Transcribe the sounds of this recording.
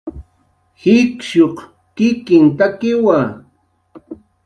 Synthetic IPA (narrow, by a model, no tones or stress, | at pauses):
hɪkʃoq | kɪkɪnt̪akɪwa